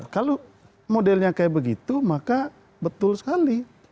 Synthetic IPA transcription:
kalo | modɛlɲakajabəɡit̪umaka | bət̪ʊlsə̥kali

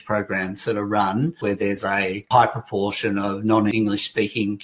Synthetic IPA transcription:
pʰɹ̥əʊɡɹæ̃mz̥ðɨɾəɹʌ̃nwə˞ðə˞zəhaɪpʰɹ̥əpʰɔɹʃɨ̃nʌvnɑ̃nɪ̃ŋɡlɨʃspikɪ̃ŋ

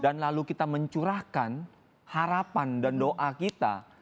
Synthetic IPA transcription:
danlalukit̪aməɲt͡ʃuɾahkan | haɾapandandoʔakit̪a̰

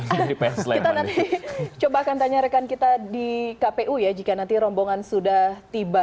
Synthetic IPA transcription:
dipɛslkit̪anant̪it͡ʃobaːkant̪aɲaɾəkankit̪adikapeʔujad͡ʒikanant̪iɾɔmboŋansudaht̪iba

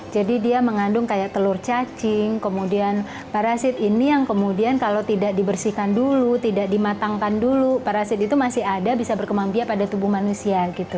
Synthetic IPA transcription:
d͡ʒadidiaməŋandʊŋkajaʔ̚t̪əlʊrt͡ʃat͡ʃɪŋkəmudian | paɾasɪt̪inijaŋkəmudiankalowt̪idaʔ̚dibərsihkandulut̪idakdimat̪aŋkandulupaɾasɪt̪̚it̪umasɪɦadabisabərkəmaŋbiaʔpadat̪ubuhmanusiaɡit̪u

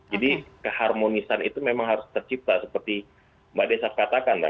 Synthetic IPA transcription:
d͡ʒadikəharmonisanit̪umemaŋɦaɾʊst̪ərt͡ʃip̚t̪asəpərt̪i | badesakat̪akanba

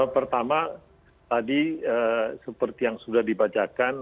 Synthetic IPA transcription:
pərt̪ama | t̪adiəsəpərt̪ijaŋsudahdibat͡ʃakan

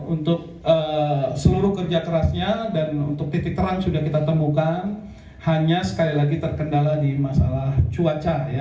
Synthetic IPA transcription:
unt̪ʊk̚ | əsəluɾʊhkərd͡ʒakəɾasɲadanṵnt̪ʊk̚t̪it̪ɪk̚t̪əɾansudahkit̪at̪əmukan | haɲasə̥kalilaɡit̪ərkəndaladimasa̰laht͡ʃuat͡ʃaja

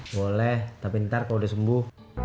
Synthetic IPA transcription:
wolɛht̪apint̪arkalodasəmbuh

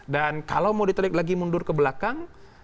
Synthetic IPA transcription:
dankalawmawdit̪əɾɪk̚laɡimundʊrkəbəlakaŋ

